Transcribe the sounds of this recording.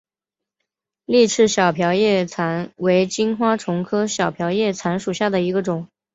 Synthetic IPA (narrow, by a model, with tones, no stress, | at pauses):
li˥˧ʈ͡ʂʰɻ̩˥˩ɕjɑ˨˩ʊpʰjɑ˧˥ʊjɛ˥˩t͡sʰa˧˥nwe˧˥ɪt͡ɕi˥nxwa˥ʈ͡ʂʰʊ˧˥ŋkʰɤ˥ɕjɑ˨˩ʊpʰjɑ˧˥ʊjɛ˥˩t͡sʰa˧˥nʂu˨˩ɕja˥˩d̪ə˩i˧˥ɡə˧ʈ͡ʂʊ˨˩˦ŋ